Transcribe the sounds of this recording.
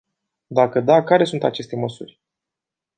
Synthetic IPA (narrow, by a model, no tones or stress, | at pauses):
d̪akəd̪akaɾe̞sunt̪at͡ʃe̞st̪e̞məsurʲ